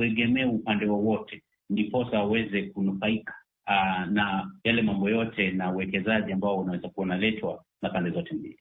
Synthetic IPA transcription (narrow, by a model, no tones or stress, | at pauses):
ɛɠɛmɛupandɛwawɔtʰɛ | ndipɔsaawɛzɛk̚unufaikḁ | najalɛmambɔjɔtʰɛnauwɛkɛzaʄiambaɔunawɛzakuwanalɛtʰwa | napandɛzɔtɛmbḭli